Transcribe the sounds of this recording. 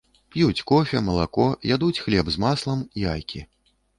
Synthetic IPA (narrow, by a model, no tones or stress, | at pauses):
pjut͡sʲkɔfʲɐmɐlˠakɔjad̪ut͡sʲxlʲɛbzmaslˠɐmiajkʲʰi